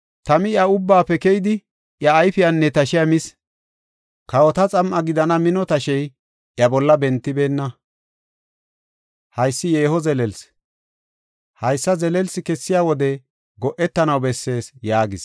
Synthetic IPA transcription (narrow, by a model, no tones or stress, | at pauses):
t̪ɐmɪjɐʊbːaːpːɛkɛjd̪ɪ | ʔjɐːjfɪjɐnːɛt̪ɐʃɪjɐmɪs | kɐwɔt̪ɐt͡sʼɐmʔɐɡɪd̪ɐnɐmɪnɔt̪ɐʃɛj | ʔjɐbɔlːɐbɛnt̪ːɪbe̞ːnːɐ | hɐjsːɪjeːhɔzɛlɛls | hɐjsːɐzɛlɛlsɪkɛsːɪjaːwɔd̪ɛ | ɡɔʔɛt̪ːɐnɐwbɛsːe̞ːsjaːɡɪs